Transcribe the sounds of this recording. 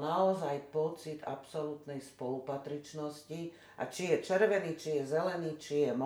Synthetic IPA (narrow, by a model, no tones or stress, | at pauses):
naɔzajpɔt͡sid̪a̰psɔlut̪nɛjspɔlupat̪ɾit͡ʃnɔsci | ʔa̰t͡ʃijɛt͡ʃɛɾʋɛniːt͡ʃijɛzɛlɛniːt͡ʃijɛm